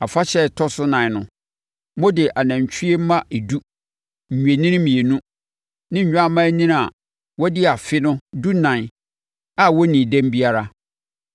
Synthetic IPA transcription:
a˨fa˦ɕɛ˦˨tʰɔ˦sʊ˦nã˨n˨nʊ̰̃˨ | mɔ̃˦dɪ˨ʔa˨nã˨ɲ˨t͡ɕᶣʰi˦e˦m˦mã˦e˨du˦ | ɲ̩˨ɲᶣ˨e˨nĩ˦n˦mĩ˨e˨nũ˦ | nɪ̃˦ɲ̩˨ɲᶣ˦a˦mã˦nĩ˦n˨a˨ | wɔ˦dɪ˦a˨fɪ˦nʊ̃˦du˦nã˨n˨ | a˦wɔ˦nĩ˨dæ̃˦m˦bi˦a˦ɾa˦

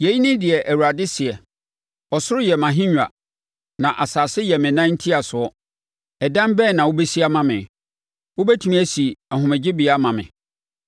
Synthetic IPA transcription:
je˨ji˦nɪ̃˦dɪ˨ɛ˨ʔæ˨wu˨ɾa˨dɪ˦sɪ˨ɛ˨ | ɔ˨sʊ˦ɪ˦jɛ˨mã˨ɦɪ̃˦ɲᶣ˨a˨ | nã˨ʔa˨saː˨sɪ˦jɛ˨mɪ̃˨nã˦n̩˦tʰi˦a˨sʊ˨ɔ˦ | ɛ˨dã˦mbɛː˦˨nã˨wʊ˦bɛ˦si˦a˦mã˨mɪ̰̃˨ | ʊ˦bɛ˦tʰi˨mĩ˦æ˦˨si˨ɛ˨ɦʊ̃˨mɛ̃˨d͡ʑɪ˦bi˨a˦mã˨mɪ̰̃˨

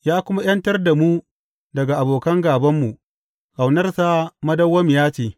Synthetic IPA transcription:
jaː˦kʷʊ˦ma˦j̰ɐ˦ntɐ˦rda˨mu˦ | dɐ˨ɡa˨ʔa˨boː˨kɐ˦ŋɡaː˨bɐ˦mːu˨ | ka˨wnɐ˦rsa˦mɐ˦dɐ˦wːɐ˦m˨jaː˦t͡ʃeː˨

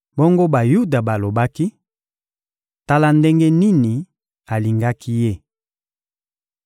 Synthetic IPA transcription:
bo˦ŋɡo˦ba˨ju˦da˨ba˨lo˨ba˦ki˦ | ta˦la˦nde˦ŋɡe˦ni˦ni˨ | a˨li˨ŋɡa˦kʰi˦je˦˨

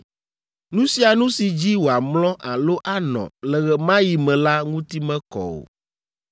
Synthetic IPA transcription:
nũ˦si˦a˨nũ˦si˨d͡ʑi˦wo˨a˨mlɔ̃˦ʔa˨lo˦ʔa˨nɔ̰̃˨lɛ˨ɣɛ˨mã˦ji˨mɛ̃˨la˦ŋũ˦t̪i˦mɛ̃˦kɔ̰˨o̰˨

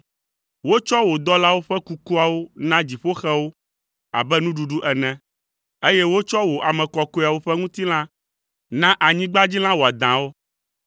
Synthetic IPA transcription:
wo˦t͡ʃɔ˦wo˨d̪ɔ˦la˦wo˦ɸɛ˦ku˦ku˦a˨wo˦nã˦d͡ʑi˨ɸo˦xɛ˦wo˦ | a̰˨bɛ˦nũ˦ɖu˨ɖu˦ʔɛ˨nɛ̃˦ | e˦jɛ˦wo˦t͡ʃɔ˦wo˨ʔa˨mɛ̃˨kɔ˨ko˦˨a˨wo˦ɸɛ˦ŋũ˦t̪i˦l̃ã˦ | nã˦ʔa˨ɲĩ˦ɡ͡ba˦d͡ʑi˦l̃ã˦wo˨a˨d̪ã˨wo˦

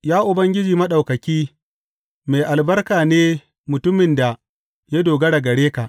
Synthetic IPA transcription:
jaː˦ʔʊ˨bɐ˦ŋɡʲɪ˦d͡ʒiː˨mɐ˦ɗɐ˨wkɐ˨kʲiː˦ | me˨ʔa˨lbɐ˦rkaː˨neː˦ | mʊ˨tʊ˦mɪ˨nda˨ | ja˦doː˨ɡɐ˦ɽa˨ɡɐ˨ɽeː˦ka˨ʔ

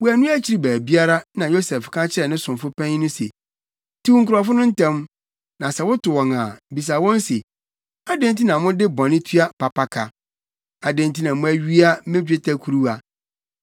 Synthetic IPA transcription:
wʊ˦æ˨nũ˦æ˦t͡ɕʰi˨ɾi˦bæː˨bi˦a˦ɾa˦nã˨jo˦sɛ˨fkʰã˦t͡ɕʰɪ˦ɾɛ˨nɪ̃˦sʊ̃˨mfʊ˦pʰɛ̃˦ɲ˦nʊ̃˦sḛ˨ | tʰi˦u˨ŋ̩kʊ˨ɾa˨fʊ˦nʊ̃˦n̩˦tʰɛ̃˦m | nã˨sɛ˨wʊ˦tʊ˨wɔ̃˨ŋã̰˨bi˨s̬a˨wɔ̃˦n˦se˨ | a˦dẽ˦nti˦nã˨mʊ̃˦dɪ˦bɔ̃˨nɪ̃˦tʰɥa˦pa˨pa˨kʰa˨ | a˨dẽ˨n˨tʰi˦nã˨mʊ̃˦æ˦ɥi˦a˦mẽ˦d͡ʑᶣɪ˦tʰa˦kʰu˨ɾu˦a˨

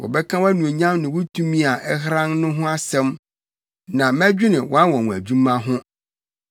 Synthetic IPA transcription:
wɔ̰˨bɛ˦kʰã˦wa˦nũ˨e˨ɲã˦mnɪ̃˨wʊ˦tʰũ˦mĩ˦a˨ʔɛ˦ɦɾã˦nnʊ̃˦ɦʊ̃˦a˦sɛ̃˦m | nã˨mæ˦d͡ʑᶣɪ˦nɪ̃˨wʔɔ˦a˦wɔ̃˨w̃æ˨d͡ʑũ˦mã˦ɦʊ̃˦

